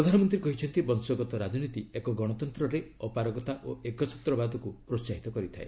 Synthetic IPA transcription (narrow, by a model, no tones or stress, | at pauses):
ɾɔd̪ʱanɔmɔnt̪̬ɾiekɔɦit͡ʃʰɔnt̪ibɔnsɔɡɔt̪ɔɾad͡ʒɔnit̪iekɔɡɔɽ̃ɔt̪ɔnt̪ɾɔɾeɔpaɾɔɡɔt̪aʔoekɔt͡ʃʰɔ̥t̪ɾɔbad̪ɔkupɾot͡ʃaɦit̪ɔkɔɾit̪ʰae